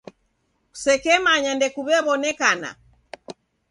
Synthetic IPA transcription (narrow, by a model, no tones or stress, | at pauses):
ku̥sɛkɛmaɲandɛkuβɛβɔnɛkana̰